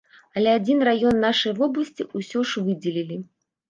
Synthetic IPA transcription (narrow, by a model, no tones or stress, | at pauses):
ɐlʲɛad͡zʲinrajɔnːaʂɐjvɔblˠɐsʲt͡sʲiusʲɔʂvɨd͡zʲɛlʲilʲi